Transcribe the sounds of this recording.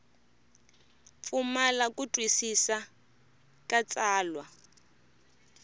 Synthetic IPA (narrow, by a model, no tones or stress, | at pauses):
fumalakutʼwisisa | kat͡saːlwa